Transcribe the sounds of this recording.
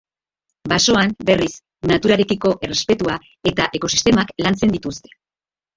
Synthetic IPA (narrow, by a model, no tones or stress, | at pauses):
baso̞anbe̞ris | nat̪uɾaɾe̞kiko̞ʔe̞re̞spe̞t̪ua | e̞t̪aʔe̞ko̞si̥st̪e̞maklant͡se̞nd̪it̪ust̪e̥